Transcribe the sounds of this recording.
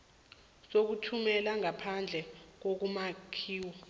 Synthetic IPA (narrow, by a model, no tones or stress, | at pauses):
sok̬utʰumɛlaŋapʰand͡ɮʱɛk̬ok̬umakʰiːwɔ